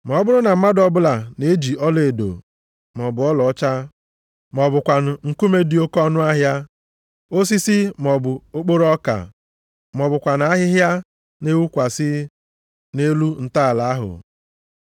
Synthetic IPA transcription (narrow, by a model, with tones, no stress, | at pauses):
m˨ɔ˨˦bʊ˦ɾʊ˦na˨m̩˦ma˦dɔ˦bʊ˦la˨ne˨˦d͡ʒi˨ɔ˦le˨do̰˨ | m˨ɔ˨bʊ˨ɔ˦lɔ˨ɔ˦t͡ʃa˦ | mɔ˨bʊ˨kʷa˨n̩˨ŋ̩˨ku˦me˦di˨˦o˦kɔ˦nʊ˦a˦ɦja˦ | o˦s̬i˦sɪ˦m˨ɔ˨bʊ˨o˦k͡po˦ɾɔ˦ka̰˨ | m˨ɔ˨bʊ˨kʷa˨na˨˦a˦ɦɪ˦ɦja˦ | ne˦wu˦kʷa˨sɪ˦ | ne˦lu˦n̩˨ta˦˨la˨a˦ɦʊ̰˨